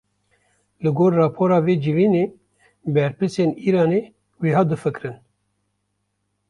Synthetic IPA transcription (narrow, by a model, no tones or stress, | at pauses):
lɨɡoːɾːɑːpʰoːɾɑːveːd͡ʒɨviːneː | bɛɾpɨseːniːɾɑːneː | weːɦɑːd̪ɨfɨkɾɨn